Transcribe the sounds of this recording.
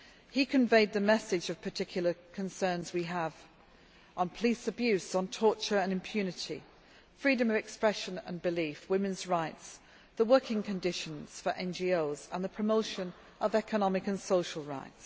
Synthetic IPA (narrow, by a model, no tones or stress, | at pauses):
hikʰə̃ɱveɪd̪̚ðəmɛsɪd͡ʒəv̥pʰətʰɪkʰjl̩ˠəkʰə̃nsɜ̃ːnzwiəv | ə̃n̩pʰəliˑsəbjʉˑsn̩tʰɔˑt͡ʃəɹə̃nɪ̃mpʰj̥ʉːnɪtḭ | fɹiːdə̃məvɛkspɹɛʃə̃nə̰̃nbɪliˑfwɪ̃mɨ̃nzɹaɪts | ðəwɜˑkʰɪ̃ŋkʰə̃ndɪʃə̃nz̥fəɹʔɛ̃nd͡ʒioʊzə̰̃nðəpʰɹ̥əmoʊʃə̃n | ʔəvɛkʰənɒmɪkə̃nsoʊʃəl̩ˠɹa̰ɪts